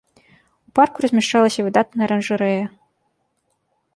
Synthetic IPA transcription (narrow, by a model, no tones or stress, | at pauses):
upɑrkurɐzʲmʲɛʂt͡ʂɑlˠɐsʲɐvɨd̪ɑt̪̚nɐɾɐnʐɨɾɛjɐ